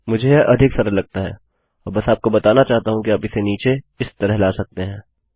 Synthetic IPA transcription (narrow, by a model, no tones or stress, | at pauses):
mʊd͡ʒʱeʔɐd̪ʱɪksɐɾəllɐɡ̚t̪aɦɛ̰ː | ɔːɾbɐsaːp̚kobɐt̪aːnat͡ʃaːɦt̪aɦũkiaːpɪseniːt͡ʃe | ɪst̪ɐɾəɦlaːsɐk̚t̪eɦɛ̃ː